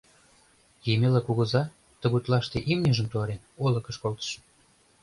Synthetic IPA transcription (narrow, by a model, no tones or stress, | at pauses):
jemelɑkuɣə̆zɑ | t̪ə̆ɣut̪lɑʃt̪eʔimnʲiʒəmt̪uɑɾenolə̆kə̆ʃkolt̪ə̥ʃə